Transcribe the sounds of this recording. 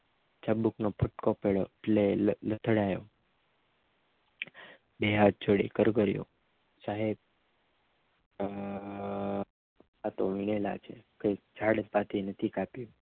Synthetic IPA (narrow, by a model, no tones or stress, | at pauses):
t͡ʃabuknopʰəʈkopeɭoeʈlelət̪ʰəɽajo̰ | beɦad̚t͡ʃʰoɽḭkəɾɡəɾjo̰ | saɦeb̚ | at̪omiɳ̃elat͡ʃʰekəjd͡ʒʰʱaɽənpat̪ʰinət̪ʰikapjo